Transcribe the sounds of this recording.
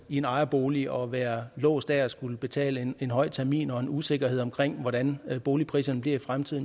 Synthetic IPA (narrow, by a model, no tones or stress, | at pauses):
ie̝nɑ̈ɪɐb̥o̝ːliɒ̽ʋæːɐlɔ̰ːsd̥æɐæsɡ̥uləb̥e̝t͡sʰɛ̰ːləe̝nɦɒ̽ɪ̰t͡sʰæɐmḭːnɒ̽e̝nuse̝ɡ̥ɐheð̰ˠɒ̽mkʰʁeŋ̰ʋɒɾænb̥o̝ːlipʰʁḭːsɐnəb̥liɐifʁamt͡sʰið̞̰ˠn